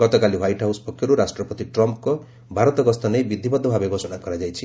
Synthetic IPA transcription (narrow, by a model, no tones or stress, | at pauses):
ɡɔt̪ɔkaliwajʈɦawspɔkʰːjɔɾuɾasʈɾɔpɔt̪iʈɾɔmpkɔ | bʱaɾɔt̪ɔɡɔst̪ɔnejbid̪ʱibɔd̪ʱːɔbʱabeɡʱɔsɔnakɔɾad͡ʒajt͡ʃʰi